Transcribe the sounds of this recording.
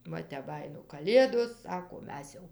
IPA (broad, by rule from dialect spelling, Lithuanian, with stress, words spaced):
ˈʋɐ tʲɛp ˈbɑːjɪnoː kɐˈlʲeːdoːs ˈsɑːkoː ˈmʲɛs jɛʊ